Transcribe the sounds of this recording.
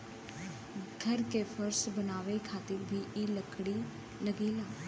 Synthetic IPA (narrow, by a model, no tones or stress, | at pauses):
ɡʱəɾkepʰəɾsbənaːʋekʰaːt̪ɪɾbʱiːʔeːləkʰɽiː | ləɡeːlaː